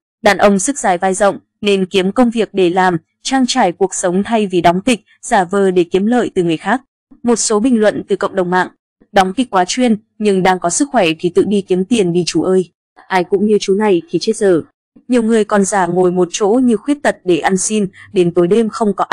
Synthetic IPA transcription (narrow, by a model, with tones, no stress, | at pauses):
ɗaː˨˩nʔə˧wŋ͡msɨ˦˥k̚zaː˧˩jvaː˧jzə̰˧˨wŋ͡m | ne˧nki˨˦əmkə˧wŋ͡mvi˨˩ək̚ɗe˧˩laː˨˩m | t͡ɕaː˧ŋt͡ɕaː˧˩jku˨˩ək̚sə˨˦wŋ͡mt̪ʰa˧jvi˨˩ɗɔ˨˦wŋ͡mt̪ï˨˩k̟̚z̥aː˧˩vəː˨˩ɗe˧˩ki˨˦əmlə̰ː˧˨jt̪ɨ˨˩ŋɨ˨˩əjxaː˦˥k̚ | mo˨˩t̚so˨˦ɓï˨˩ŋ̟lwə̰˧˨nt̪ɨ˨˩kə̰˧˨ŋ͡mɗə˨˩wŋ͡mma̰ː˧˨ŋ | ɗɔ˨˦wŋ͡mt̪ï˨˩k̚kwaː˨˦t͡ɕwi˧ən | ɲɨ˧ŋɗaː˧ŋkɔ˨˦sɨ˦˥k̚xwɛ˧˩t̪ʰi˨˩t̪ɨ̰˧˨ɗi˧ki˨˦əmt̪i˨˩ənɗi˧t͡ɕu˨˦ʔəː˧j | ʔaː˧jkʊ̰˧˥ŋ͡mɲɨ˧t͡ɕu˨˦na˨˩jt̪ʰi˨˩t͡ɕe˦˥t̚zəː˧˩ | ɲi˨˩əwŋɨ˨˩əjkɔ˨˩nzaː˧˩ŋo˨˩jmo˨˩t̚t͡ɕo̰˧˥ɲɨ˧xwi˦˥əp̚t̪ə˨˩t̚ɗe˧˩ʔa˧nsi˧nɗe˨˦nt̪o˨˦jɗe˧mxə˧wŋ͡mkɔ˨˦ʔ